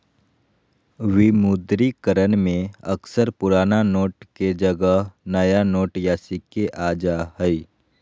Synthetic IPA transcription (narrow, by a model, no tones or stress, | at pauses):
ʋimud̪ɾikəɾənmẽəksəɾpʊɾaːnanoːʈked͡ʒəɡəɦnəjanoːʈjaːsikeʔaːd͡ʒaɦəi